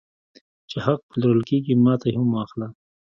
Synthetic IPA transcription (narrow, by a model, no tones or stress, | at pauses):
t͡ʃehaq̚pəlaɾəlkeɡimɑːt̪aɦhʊmwɑxla